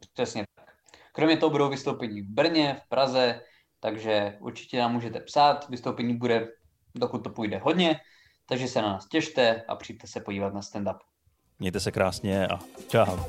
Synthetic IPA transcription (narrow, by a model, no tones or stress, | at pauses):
pr̥ɛsɲɛt̪ak | kɾo̞mɲɛt̪oɦobudowvɪst̪owpɛɲiːvbr̩ɲɛfpɾʔazɛ | t̪aɡʒɛʔṵɾt͡ʃɪ̥cɛnaːmːuːʒɛt̪ɛpsaːt̪vɪst̪owpɛɲiːbudɛ | dokut̪̚ːopujdɛɦodɲɛ | t̪aɡʒɛsɛnanaːscɛʃt̪ɛʔa̰pr̝̥ijdt̪ɛsɛpoɟiːvat̪nast̪ɛndap | mɲɛjt̪ɛsɛkɾaːsɲɛat͡ʃa